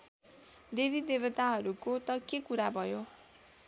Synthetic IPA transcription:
d̪ebʱid̪ebʌt̪aɦʌɾukot̪ʌkekuɾabʱʌjo

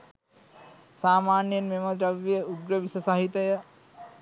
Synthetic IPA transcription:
saːmaːnjənmemɐd̪ɾɐʋjəuɡɾəʋisɐsaɦit̪ɐjə

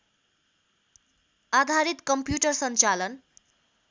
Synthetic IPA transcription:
ad̪ʱaɾit̪kʌmpjuʈʌrsʌnt͡salʌn

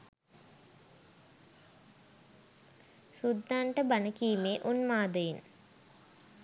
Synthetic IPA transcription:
sud̪ʱːaːɳʈəbanəkiːmeːʔunmaːd̪əjin

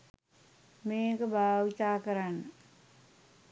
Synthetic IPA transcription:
meːkəbʱaːʋit̪aːkəɾanːə

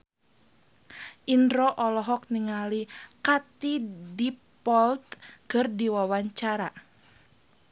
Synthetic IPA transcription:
ʔindɾɔʔɔlɔɦɔk̚niŋalikat̪idipɔlt̪̚kɨrdiwawaɲt͡ʃaɾa

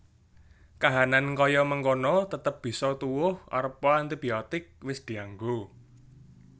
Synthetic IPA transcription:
kaɦanankɔjɔməŋkonɔt̪ət̪əp̚b̥i̤sɔt̪uwʊhʔɔ̰ɾəpːɔant̪ib̥iɔt̪ɪk̚wɪsd̪̥i̤aŋɡo

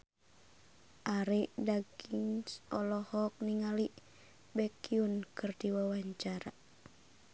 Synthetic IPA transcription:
ʔaɾiʔdaɡiŋsɔlɔhɔk̚niŋaliʔ | bɛkiunkɨrdiwawaɲt͡ʃaɾa

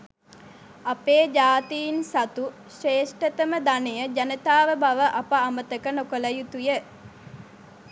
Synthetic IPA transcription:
apeːd͡ʒaːt̪iːnsat̪u | ʂeːʂʈət̪əməd̪anejəd͡ʒanət̪aːʋəbaʋəʔapəamət̪əkənokoləjut̪ujə

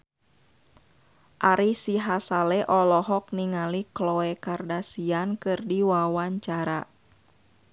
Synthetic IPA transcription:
ʔaɾisiɦasalɛʔɔlɔɦɔk̚niŋaliklɔɛkardasiankɨrdiwawaɲt͡ʃaɾa̰

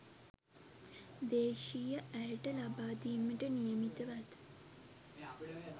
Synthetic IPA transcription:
d̪eːʃijəʔæjəʈəlabaːd̪iːməʈənijəmit̪əʋat̪

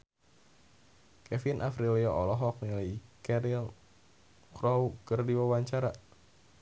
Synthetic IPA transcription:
kɛfinʔafɾiliɔɔlɔɦɔk̚niləjkɛɾil | kɾɔwkərdiwawaɲt͡ʃaɾa

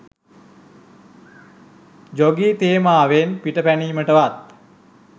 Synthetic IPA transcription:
d͡ʒoɡiːt̪eːmaːʋenpiʈəpæniːməʈəʋat̪̚

